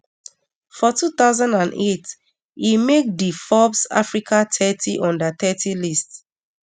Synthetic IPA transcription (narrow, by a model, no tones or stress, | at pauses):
fɔtʰutaʊzãndãnet | imek̚difɔbsa̰fɹikʰatʰɛtʰiʔɔ̃ndətɛtʰilist